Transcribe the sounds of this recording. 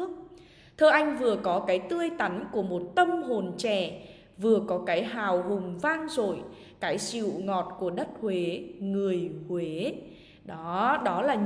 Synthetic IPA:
ək̚ | t̪ʰəː˧ʔa˧jŋ̟vɨ˨˩əkɔ˨˦kaː˨˦jt̪ɨ˧əjt̪a˨˦nku˧˩əmo˨˩t̚t̪ə˧mɦo˨˩nt͡ɕɛ̰˧˩˨ | vɨ˨˩əkɔ˨˦kaː˨˦jɦaː˨˩wɦʊ˨˩ŋ͡mvaː˧ŋzo˨˩j | kaː˨˦jt͡ɕḭ˧˨wŋɔ˨˩t̚ku˧˩əɗə˦˥t̚hwe˨˦ŋɨ˨˩əjhwe˨˦ | ɗɔ˨˦ɗɔ˨˦laː˨˩

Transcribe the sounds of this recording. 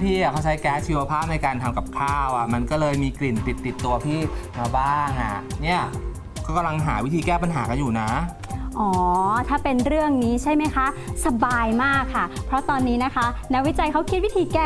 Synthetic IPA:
pʰiː˥˩a˨˩kʰa˦˥wt͡ɕʰa˦˥jkɛː˦˥t͡ɕʰiː˧wa˧pʰaː˥˩p̚na˧jkaː˧nt̪ʰa˧mka˨˩p̚kʰaː˥˩wʔa˨˩ma˧nkɔː˥˩lɤː˧jmiː˧kli˨˩nt̪i˨˩t̪ːi˨˩t̪ːu˧ɐpʰiː˥˩maː˧baː˥˩ŋʔa̰˨˩ni˥˩ɐ | kɔː˥˩ka˧mla˧ŋɦa̰ː˩˦wi˦˥t̪ʰiː˧kɛː˥˩pa˧nɦaː˩˦ka˧njuː˨˩na˦˥ | ʔɔː˩˦t̪ʰaː˥˩pe˧nɾɯ˥˩əŋniː˦˥t͡ɕʰa˥˩jma˦˥jkʰa˦˥ | sa˧baː˧jmaː˥˩kʰːa˥˩pʰɾɔ˦˥t̪ɔː˧nːiː˦˥na˦˥kʰa˦˥na˦˥k̚wi˦˥t͡ɕa˧jkʰa˦˥wkʰi˦˥t̪̚wi˦˥t̪ʰiː˧kɛː˥˩

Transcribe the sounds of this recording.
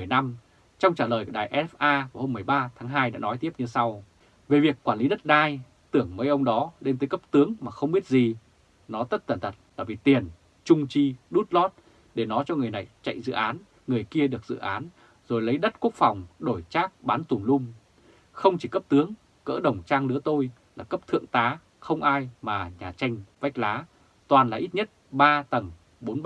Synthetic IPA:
ɨ˨˩əjna˧m | t͡ɕɔ˧wŋ͡mt͡ɕaː˧˩ləː˨˩jku˧˩ɗaː˨˩jʔɛ˧˥ɛ˦˥fʔaː˧vaː˨˩ho˧mɨ˨˩əjɓaː˧t̪ʰaː˨˦ŋɦaː˧jɗa̰ː˧˥nɔ˨˦jt̪i˦˥əp̚ɲɨ˧sa˧w | ve˨˩vi˨˩əkːwaː˧˩nli˨˦ɗə˦˥t̚ɗaː˧j | t̪ɨ˧˩əŋməː˨˦jʔə˧wŋ͡mɗɔ˨˦le˧nt̪əː˨˦kə˦˥p̚t̪ɨ˨˦əŋmaː˨˩xə˧wŋ͡mɓi˦˥ət̚zi˨˩ | nɔ˨˦t̪ə˦˥t̚t̪ə˧˩nt̪ʰə˨˩t̚la̰ː˧˩jvi˨˩t̪i˨˩ən | t͡ɕʊ˧ŋ͡mt͡ɕi˧ɗu˦˥t̚lɔ˦˥t̚ | ɗe˧˩nɔ˨˦jt͡ɕɔ˧ŋɨ˨˩əjna˨˩jt͡ɕa̰˧˨jzɨ̰˧˨ʔaː˨˦n | ŋɨ˨˩əjki˧əɗɨ˨˩ək̚z̥ɨ̰˧˨ʔaː˨˦n | zo˨˩jlə˨˦jɗə˦˥t̚ku˦˥ək̚fa˨˩wŋ͡mɗo˧˩jt͡ɕaː˦˥k̚ɓaː˨˦nt̪u˨˩ŋ͡mlʊ˧ŋ͡m | xə˧wŋ͡mt͡ɕi˧˩kə˦˥p̚t̪ɨ˨˦əŋ | kə̰ː˧˥ɗə˨˩wŋ͡mt͡ɕaː˧ŋlɨ˨˦ət̪o˧j | laː˨˩kə˦˥p̚t̪ʰɨ̰˧˨əŋt̪aː˨˦ | xə˧wŋ͡mʔaː˧jmaː˨˩ɲaː˨˩t͡ɕa˧jŋ̟va˦˥jk̚laː˨˦ | t̪waː˨˩nlaː˨˩ʔi˦˥t̚ɲə˦˥t̚ɓaː˧t̪ə˨˩ŋ | ɓo˨˦nɓ

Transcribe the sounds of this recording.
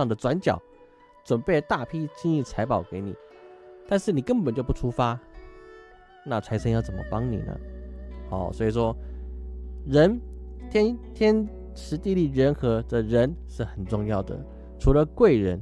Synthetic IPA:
ŋd̪ə˩ʈ͡ʂwa˧˥nt͡ɕjɑ̰˨˩ʊ | ʈ͡ʂwə˨˩npe˥˩ɪt̪a˥˩pʰi˥t͡ɕi˥ŋi˥˩t͡sʰa˧˥ɪpɑ˨˩ʊke˧˥ɪnḭ˨˩˦ | t̪a˥˧nʂɻ̩˥˩ni˨˩kə˥npə˨˩nt͡ɕjo˥˧ʊpu˥˩ʈ͡ʂʰu˥fa˥ | na˥˩t͡sʰa˧˥ɪʂʰə˥ŋjɑ˥˩t͡sə˨˩mə̰˧˦pɑ˥ŋnḭ˨˩nə̰˦xɑ̰˨˩˦ʊswɔ˧˥i˨˩ʂwɔ˥ | ɻə˧˥nt̪ʰjɛ˥nt̪ʰjɛ˥n | ʈ͡ʂʰɻ̩˧˥t̪i˥˧li˥˩ɻə˧˥nxɤ˧˥d̪ə˧ɻə˧˥nʂɻ̩˥˩xə˨˩nʈ͡ʂʊ˥˧ŋjɑ˥˩ʊd̪ə̰˩ | ʈ͡ʂʰu˧˥lə˧kwe˥˩ɪɻə˧˥n

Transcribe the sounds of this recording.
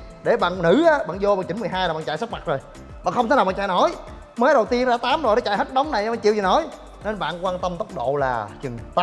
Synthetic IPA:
ɗe˧˩ɓa̰ː˧˨nnɨ˧˦ʔaː˨˦ɓa̰ː˧˨nzo˧ɓaː˧˨˩ɲt͡ɕï˨˦nm˨˩jɦaː˧jaː˨˩ɓaː˧˨t͡ɕa̰˧˨jsa˦˥k̚ma˨˩t̚zo˨˩j | ɓa̰˧˨nxə˧wŋ͡m̪ʰe˦ja˨˩ɓaː˧˨t͡ɕa̰˧˨no˨˦j | məː˨˦jɗə˨˩wt̪i˧ənzaː˧t̪aː˨˦mznɔ˨˦t͡ɕa̰˧˨jhə˦˥t̚ɗə˨˦wŋ͡mna˨˩jɓaː˧˨˩t͡ɕḭ˧˨wt͡ɕi˨˩nɔ˨˦j | ne˧nɓa̰ː˧˨nkwaː˧nt̪ə˧mt̪ə˦˥k͡p̚ɗo̰˧˨la̰ː˨˩t͡ɕɨ˨˩ŋt̪a˨˦

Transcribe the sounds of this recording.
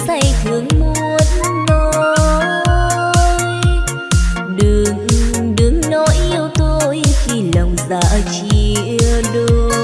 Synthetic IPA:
sa˧˩jt̪ʰɨ˨˦əŋmu˧˨u˨˩˦ət̚no˧ | ɗɨ˨˩ŋɗɨ˨˩əŋnɔ˨˦jʔi˧əwt̪o˧jxi˧˩lə˨˩wŋ͡mza̰ː˧˥t͡ɕi˧˩ʔi˧ɗo˧

